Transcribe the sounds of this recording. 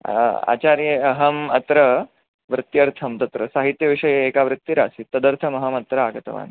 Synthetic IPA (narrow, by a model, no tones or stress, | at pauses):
a̰ːt͡ʃaːɾjeɐɦɐmɐt̪ɾɐ | ʋɾɪt̪jɐɾt̪ʰɐmt̪ɐt̪ɾɐsaːɦit̪jɐʋiʂɐjɐeːkaːʋɾɪt̪ːiɾaːsit̪ːɐd̪ɐɾt̪ʰɐmɐɦɐmɐt̪ɾɐaːɡɐt̪ɐ̰ʋa̰ːn